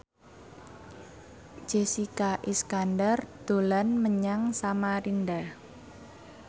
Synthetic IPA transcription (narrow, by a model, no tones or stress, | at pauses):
d͡ʒ̥esikaʔiskandard̪̥o̤lanməɲaŋsamaɾindah